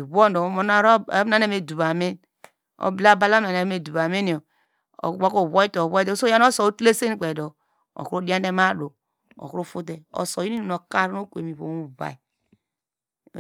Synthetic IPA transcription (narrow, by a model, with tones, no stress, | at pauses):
i˨βo˦ndo˨˦o˦na˦ɾna˦ne˦˨me˨du˨βa˨me˦n | o̰˨bla˦˨ba˦la˦˨a˨ne˨˦me˨du˨βa˨me˦ni˨o̰˨˦ | a˦ko˦˨βo˦i˦to˨βo˦i˦˨˦so˦ja˦n˦o˦so˨o˦tle˦se˦n˦k͡pe˨do˨ | o̰˨kɾo˦di˦a˦nde˦ma˦ɾo˨ | o̰˨kɾu˦fu˦t̬e˨ɔ̰˨so˨ji˦i˦no˨no˨ka˦ɾo˦kʷe˨mi˨βo̰˨˦u˦βa̰˨i˨